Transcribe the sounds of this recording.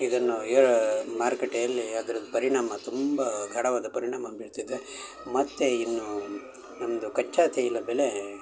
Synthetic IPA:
id̪ɐnːueɾɐmaːɾkeʈːejɐlːiad̪ɐɾɐd̪upɐɾiɳaːmɐt̪umbɐɡʱɐɽɐʋaːd̪ɐpɐɾiɳaːmɐbiɽt̪id̪ːe | mɐt̪ːe̞inːu | nɐmɐd̪ukɐt͡ʃːaːt̪ʰeilːɐbɛle̞

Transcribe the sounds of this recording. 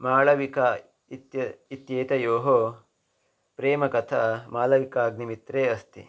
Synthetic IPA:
maːlɐʋika | it̪jɐit̪jeːt̪ɐjoːɦo | pɾeːmɐkɐt̪ʰɐmaːlɐʋikaːɡnimit̪ɾeːɐst̪ḭ

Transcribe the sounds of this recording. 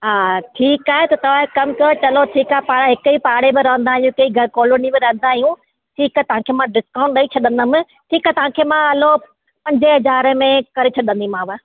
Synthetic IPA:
ɦaːʈʰiːkaːɦet̪ɐt̪ɐʋ̤ãːɦekɐmkɐt͡ɕɐloʈʰiːkaːepaːɽaɦɪkʊipaːɽebɪɾɐɦə̃nd̪aːɦijũkɐiɡɐkoːloːnibɪɾɐ̃ɦə̃nd̪aːɦijũ | ʈʰiːkaːɦet̪ɐʋ̤ãkʰeːmãɖɪskaːʊ̃ɳʈɗɐit͡ɕʰɐɗə̃nd̪əmɪ̃ | ʈʰiːkaɦet̪ɐʋ̤ãːkʰemãɐlo | pɐ̃ɲd͡ʑeɦɐzaːɾəmẽkɐɾet͡ɕʰɐɗə̃nd̪imãːʋa

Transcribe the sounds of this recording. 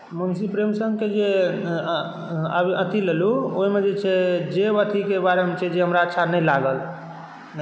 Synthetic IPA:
mənsipɾemsəŋɡked͡ʒe | a̰biət̪ʰileluoimed͡ʒet͡ʃʰɛd͡ʒebət̪ʰikebaɾeɦmet͡ʃʰɛd͡ʒeɦəmɾaətːʃʰanəjlaɡəl

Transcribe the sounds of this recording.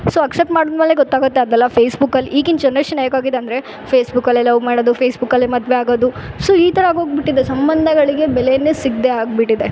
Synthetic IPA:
soːɐksep̚ʈmaːɽod̪meːleɡɔt̪ːaːɡut̪ːeɐd̪ɛlːɐpʰeːsbukːɐlːiʔiːɡint͡ʃɐnːɐʂʈunaːjɐkaːɡid̪eɐnd̪ɾe | pʰeːsbukːɐlːelɐʋmaːɽoːd̪upʰeːsbukːɐlːemɐd̪ʋeaːɡoːd̪usoːiːt̪ʰɐɾɐaːɡɦoːɡbiʈːid̪esɐmbɐnd̪ʱɐɡɐɭiɡe̞bɛlejɐnːesiɡ̚d̪eaːɡbiʈːid̪e̞

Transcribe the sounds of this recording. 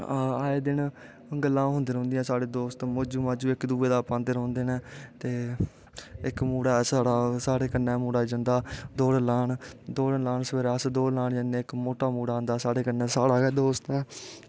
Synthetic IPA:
aːeːd̪ɪn | ɡəlːãːɦʊ̃nd̪eːɾɦõːnd̪ijãːsaːɽeːd̪oːst̪mod͡ʒuːmãːd͡ʒuːɪkd̪uːeːd̪aːpãːnd̪eːɾõːnd̪eːnɛ̃ːt̪eː | ɪkmuːɽaːsaːɽaːsaːɽeːkənɛ̃ːmuːɽaːd͡ʒə̃nd̪aːd̪oːɽəlaːɳd̪oːɽəlaːɳsʋeːɾəsd̪oːlaːɳd͡ʒə̃nd̪ẽːɪkmoːʈaːmuːɽaːnd̪aːsaːɽeːkənːɛ̃ːsaːɽaːkɛːd̪oːst̪ɛː

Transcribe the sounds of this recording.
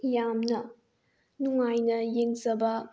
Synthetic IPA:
jamnɐ | nuŋajnɐjeŋzɐbɐ

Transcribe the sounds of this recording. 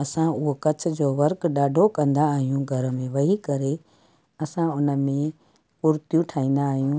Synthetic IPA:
ɐsãʊɦokɐt͡ɕʰʊ̆d͡ʑoːʋɐɾkɗaːɖʱokɐ̃nd̪aːɦijũɡʱɐɾəmẽʋɐɦikɐɾe | ɐsãʊnə̆mẽ | puːɾt̪jũʈʰaːĩːnd̪aːɦijũ

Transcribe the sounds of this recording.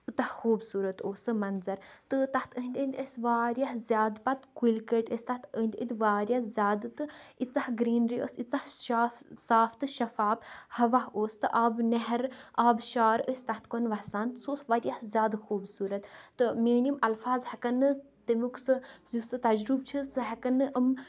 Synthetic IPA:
ut̪ahxuːbsuːɾɐt̪oːsɨmɐnzɐɾt̪ɨt̪ɐht̪ʰəɦnd̪ʲənd̪ʲəsʲʋaːɾjaɦzʲjaːd̪pat̪kilkəʈəsʲt̪aht̪ənd̪ʲəd̪ʲʋaːɾjazʲjaːd̪ɨt̪ɨit͡sahɡɾiːnɾiːʔə̰sit͡sahʃaːfsaːft̪ɨʃɐfaːbhɐʋaɦoːst̪ɨʔaːbnɛɦɾʔaːbʃaːɾəsʲt̪ɐht̪konʋɐsaːnt̪soːsʋaːɾjahzʲjaːd̪xuːbsuːɾɐt̪t̪ːɨmeːnimɐlfaːzhɐkɐnːɨ | t̪emuksɨzusɨt̪ɐd͡ʒɾub̚t͡ʃʰɨsɨɦɐkɐnːɨʔəm

